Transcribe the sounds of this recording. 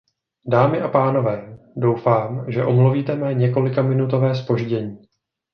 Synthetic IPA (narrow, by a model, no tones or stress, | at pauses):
daːmɪʔapaːno̞vɛː | do̞wfaːmʒɛʔo̞mluviːt̪ɛmɛɲɛko̞lɪkamɪnut̪o̞vɛːs̬po̞ʒɟɛɲiː